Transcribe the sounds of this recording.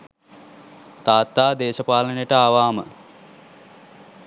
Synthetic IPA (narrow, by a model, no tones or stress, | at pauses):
t̪aːt̪ːaːd̪eːʃəpaːlənejəʈəaːʋaːmə̰